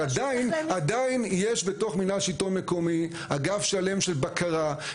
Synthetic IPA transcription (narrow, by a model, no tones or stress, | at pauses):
adainadainjeʃbe̞to̞χminaʃitonme̞ko̞mi | aɡafʃale̞mʃe̞lbakaʁa